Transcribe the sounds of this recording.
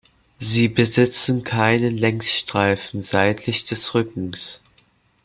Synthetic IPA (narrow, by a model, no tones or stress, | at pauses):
ziːbəzɪt͡sn̩kʰaɪnəlɛŋsʃtʁ̥aɪfn̩zaɪtʰlɪçd̥ɛsʁʏkŋ̩s